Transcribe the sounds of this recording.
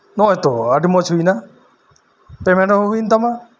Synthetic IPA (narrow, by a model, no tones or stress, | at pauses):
nɔɦet̪oaʈimɔt͡ʃʰujna | pemeɳʈɔɦuɦujnt̪ama